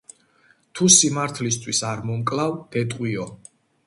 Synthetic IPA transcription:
t̪ʰusimaɾt̪ʰlist̪ʰwisaɾmɔmkʼlˠavd̪̥ɛt̪ʼqʼwiɔ

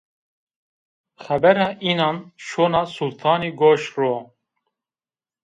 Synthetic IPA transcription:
xɛbɛɾaːʔiːnɑːnʃoːnɑːsult̪ʰɑːniːɡoːʃroː

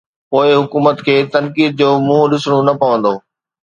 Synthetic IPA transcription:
poːɪɦʊkuːmət̪kʰeːt̪ɐnkiːd̪̚d͡ʑoːmʊ̃ːɗɪsɽ̃onɐpɐʋə̃nd̪oː

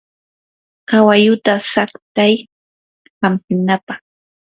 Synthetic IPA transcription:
kawajʊt̪asakt̪aj | hampɪnapaχ

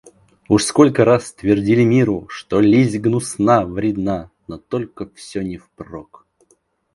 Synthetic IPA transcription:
uʂskolʲkəɾasːt̪vʲɪrdʲilʲɪmʲiɾʊʂt̪olʲizʲɡnʊsnavɾʲɪd̪nanot̪olʲkəfsʲonʲɪfprok

